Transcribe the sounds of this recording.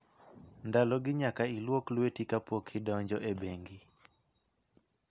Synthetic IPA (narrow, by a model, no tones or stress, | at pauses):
ndalɔɡɪɲakailwoklwetikapɔkʰɪdɔɲd͡ʒɔʔebeŋɡi